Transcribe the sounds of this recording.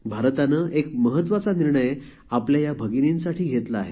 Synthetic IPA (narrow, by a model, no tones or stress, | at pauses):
bʱaɾt̪anəːʔekməɦət̪ːʋat͡saniɾɳəj | apljajabʱəɡininsaʈiːɡʱet̪laːɦe